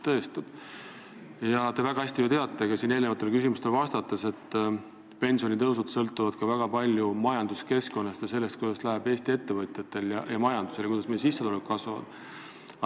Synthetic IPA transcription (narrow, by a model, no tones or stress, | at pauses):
t̪ɤ̞est̪ub̥ | jɑt̪e̞væɡ̥ɑæsʲt̪ijut̪e̞ɑt̪ːˑe̞ɡ̥ɑsiːne̞ːlnevɑt̪ːˑekysimust̪elvɑst̪ɑt̪ːˑese̞t̪ː | pe̞nsio̞nʲit̪ɤwsud̪sɤlt̪ːˑuvɑd̪̥kɑvæɡ̥ɑpɑlʲjumɑjɑnd̪̥uske̞sko̞nːɑst̪jɑse̞lːe̞st̪kujd̪̥ɑslæɦeb̥e̞ːst̪ie̞t̪ːe̞vɤt̪ʲˑjɑt̪ːˑe̞ljɑjɑmɑjɑnd̪̥u̥se̞lekujd̪ɑsmejsisːeolekːkɑsvɑvɑ̰d̪̥